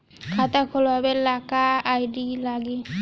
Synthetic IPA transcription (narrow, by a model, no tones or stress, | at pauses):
kʰat̪akʰɔlbabɛlakaːjdilaɡi